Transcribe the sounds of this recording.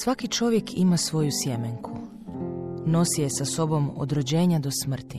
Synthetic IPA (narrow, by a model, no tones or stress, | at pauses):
sʋakit͡ʃo̞ʋje̞kʰimasʋo̞jusjemeŋkʰu | no̞sije̞saso̞bo̞mo̰d̪ɾo̞d͡ʑe̞ːɲad̪o̞smr̩t̪i